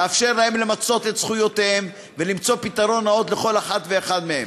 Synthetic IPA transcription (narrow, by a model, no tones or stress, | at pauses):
eafʃe̞ʁlaemle̞mat͡so̞t̪et̪sχujo̞t̪ehem | velimt͡so̞pit̪aʁo̞nao̞t̪leχo̞laχat̪ve̞ːχad̪mehem